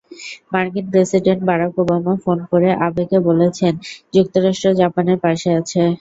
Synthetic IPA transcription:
maɾkinpɾesiɖeɳʈ̚baɾakobamafonkoɾeʔabekebolet͡ɕʰend͡ʑuk̚t̪oɾaʃʈɾod͡ʑapaneɾpaʃeat͡ɕʰe

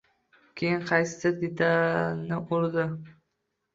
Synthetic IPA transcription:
kʲʰejɪnqʰɑjsɪ̥sɪɾd̪et̪ʰanɪʔʊɾd̪ɪ

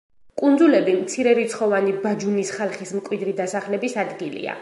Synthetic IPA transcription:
kʼund̪zulɛbimt̪sʰiɾɛɾit̪sʰχɔvanibad͡ʒunisχalˠχismkʼwid̪ɾid̪asaχlɛbisad̪ɡilḭa̰

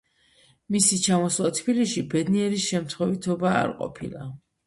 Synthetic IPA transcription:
misit͡ʃʰamɔslˠat̪ʰbiliʃibɛd̪niɛɾiʃɛmt̪ʰχwɛvit̪ʰɔba̰ːɾqʼɔ̰pʰḭlˠa̰

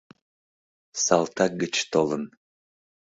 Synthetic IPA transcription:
sɑlt̪ɑk̚ɡət͡ɕt̪olən

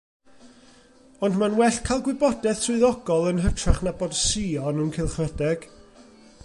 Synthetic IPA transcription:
ɔndmanwɛɬkʰajlˠɡwɪbɔdɛθsʰʊɨðɔɡɔlˠənɦətʰraχnabod̥siɔnənkʰɪlˠχədɛɡ̥

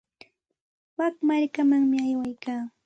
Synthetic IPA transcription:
wakmaɾkamaŋmɪajwajkaː

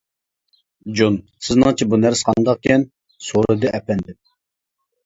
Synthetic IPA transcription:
d͡ʒon | sɪznɨŋt͡ʃʰibunæɾsqʰɑnd̪ɑq̚kʲʰɛn | soɾɨd̪ɨʔɛplɛnd̪ɪm

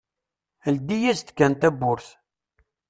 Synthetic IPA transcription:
əld̪ijæst̪kːænt̪æbːʊɾθ

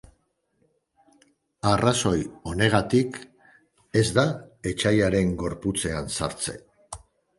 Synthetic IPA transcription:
araso̞jo̞ne̞ɣ̞at̪ik | e̞zd̪ae̞t͡ʃajaɾe̞ŋɡo̞ɾput͡se̞ansa̰ɾt͡se̞̰

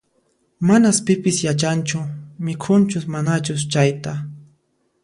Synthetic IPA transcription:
manaspɪpɪsjat͡ʃant͡ʃʊmɪkʰʊnt͡ʃʊsmanat͡ʃʊst͡ʃajt̪a

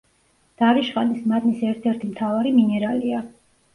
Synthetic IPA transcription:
d̪̥aɾiʃχʼanismad̪nisɛɾt̪ʰɛɾt̪ʰimt̪ʰavaɾiminɛɾalia

